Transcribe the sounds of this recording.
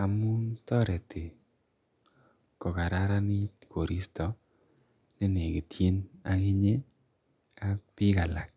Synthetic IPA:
a˨mu˦ntɔ˦ɾɛ˨ti˨ | kɔ˨ka˨ɾa˦ɾa˦ni˦tkʰo˨ɾi˦stɔ˨ | ne˦ne˨ki˨tje˦na˨ŋi˦ɲe˦ | a˦k̚pi˦ka˨la˨k̚

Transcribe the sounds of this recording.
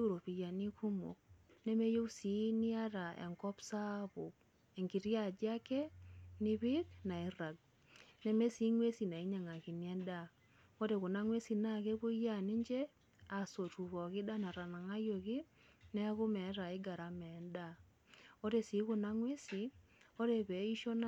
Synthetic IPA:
e˦u˦˨ɾo˨pi˨ja˨ni˦kʰu˦mo̰˨k̚ne˦me˦jo˦u˦si˨˦nɪ˦a˦ɾa˨ḛ˨ŋkɔ˦psa˦βʊ˨k̚ | e˨ŋɡi˨ɾja˦˨d͡ʒja˦kɛ˦nɪ˦βi˦kna˨i˦ra˨ɡ̚ | ne˦me˦si˨˦ŋwe˦si˨na˨i˦ɲa˨ŋa˨ki˨ni˦ɛ˦nda˦˨ | o˦ɾe˨ɣʊ˨na˦ŋwe˦si˨na˦ke˦βo˦ja˦ni˦ɲd͡ʒe˦ | a˨so˨tu˨βɔ˨kɪ˦da˦na˨ɾa˨na˨ŋa˦jo˨ki˦ | nɛ˦ɣʊ˦mɛ˨˦ɾa˨ɪ˦ɡa˨ɾa˨mɛ˨˦nda˦˨ | o˦ɾe˨si˨˦kʊ˨na˦ŋwe˦si˨ | o˦ɾe˨βɛ˨˦i˦ʃo˦na˦

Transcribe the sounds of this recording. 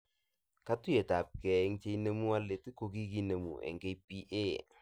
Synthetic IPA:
ka˦tu˦je˨ta˨p̚kɛ˨˦ŋt͡ʃe˦i˦ne˦mu˦a˦le˨tɪ˦ko˨ki˦ki˦ne˨mṵ˨ɛ̰˨ŋɡe˦jpi˦ʔe˦˨

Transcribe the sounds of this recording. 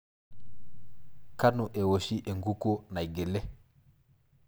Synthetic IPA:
ka˦nu˨ʔe˨wo˨ʃi˦ʔe˨ŋɡu˦ko˦na˨jɡe˨le˦

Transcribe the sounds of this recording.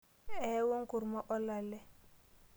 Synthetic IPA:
ɛ˨˦wo˦ŋ˦ku˨ɾmɔ˦ʔɔ˦la˨lɛ˦

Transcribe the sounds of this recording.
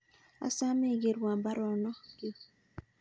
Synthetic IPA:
a̰˦sa˦me˦˨ɡe˨ɾwa˨mba˦ɾɔ˨nɔ˦ɡɪ˦

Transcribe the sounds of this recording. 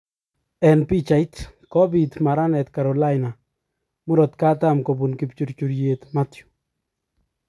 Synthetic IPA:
ɛ˨npi˦t͡ʃa˨jt̪kɔ˦bi˨t̪ma˨ɾa˦nɛt̪kaɾɔla˦jna˨ | mʊ˦ɾɔ˨t̪ka˦t̪amko˨bu˨nkɪpt͡ʃu˨ɾt͡ʃu˨ɾje˨t̪matju̥˨

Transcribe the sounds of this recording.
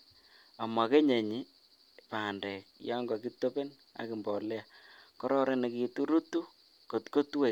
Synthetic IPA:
a˨ma˨ke˦ɲe˨ɲi˦ | paː˨ndɛ˨k̚jɔ˦ŋɡɔ˨ki˦tːo˦pe˦n | a̰˨kɪ˨mbɔ˨le˦a˨kɔ˦ɾɔ˦ɾe˦ne˨ki˨tu˦ɾu˦tu˦ | ko˨tko˦tu˦we˨

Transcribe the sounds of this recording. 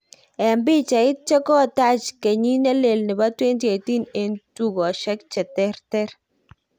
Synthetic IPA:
ɛ˨mbɪ˦t͡ʃa˨ɪ˦t̚t͡ʃɛ˦kɔ˦˨ta˦t͡ʃke˨ɲi˦nɛ˦le˨lnɪ˨ba˦twe˦nti˨e˨ti˦ne˨ntu˦ɡɔ˨ʃɛ˦kt͡ʃɛ˨tɛ˦ɾtɛ˦ɾ

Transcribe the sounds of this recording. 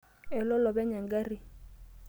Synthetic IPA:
ɛ˨lɔ˦lɔ˨bɛ˦ɲa˨ŋ˦ɡa˦ri˦

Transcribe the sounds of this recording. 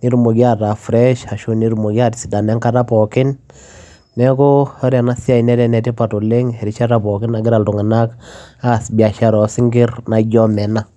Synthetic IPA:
ni˦ɾmo˨ɡi˦a˦ta˨fɾɛ˦ʃa˨ʃu˦ni˦ɾmo˨ɡa˦ti˨si˨da˨nɛ˦ŋka˦ta˦pɔ˨kɪ˦nː | ɛ˦kʊ˦ɔ˦ɾja˨na˦si˦a˦i˨nɛ˦tɛ˦nɛ˨ti˦pa˨tu˨le˦ŋhɛ˨ɾi˦t͡ʃa˦ta˨pɔ˨kɪ˦na˨ɡɪ˦ɾa˨ltu˨ŋa˨na˦ka˦˨sbi˨a˨ʃa˦ɾɔ˨˦sɪ˦ŋɡɪ˦ɾna˨ɟɔ˦mɛ˨na˦

